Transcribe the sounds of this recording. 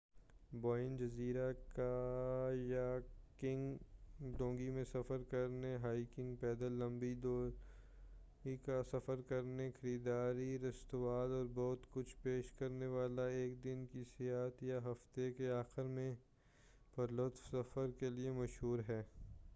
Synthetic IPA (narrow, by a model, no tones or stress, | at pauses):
bɔːɪnd͡ʒɐziːɾaka | jakɪ̃ŋɡɖõːŋɡimẽsɐfəɾkɐɾneɦaːikɪ̃ŋɡpɛːd̪əlːɐ̃mbiɖo | ikasɐfəɾkɐɾnexɐɾiːd̪aːɾiɾɐst̪ʊʋaːlɔːɾbɔːt̪kʊt͡ʃʰpeːʃkɐɾneʋaːlaeːk̚d̪ɪnkisɪjaːt̪jaɦɐft̪ekeaːxɪɾmẽ | pɐɾlʊt̪fsɐfəɾkeliemɐʃɦuːɾɦɛː